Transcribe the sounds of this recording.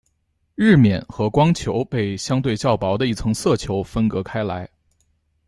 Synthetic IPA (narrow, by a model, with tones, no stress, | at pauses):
ɻɻ̩˥˩mjɛ̰˨˩˦nxɤ˧˥kwɑ˥ŋt͡ɕʰjo˧˥ʊpe˥˩ɪɕjɑ˥ŋt̪we˥˧ɪt͡ɕjɑ˥˩ʊpɑ˧˥ʊd̪ə˧i˥˩t͡sʰɤ˧˥ŋsɤ˥˩t͡ɕʰjo˧˥ʊfə˥nkɤ˧˥kʰa˥ɪla̰˧˥ɪ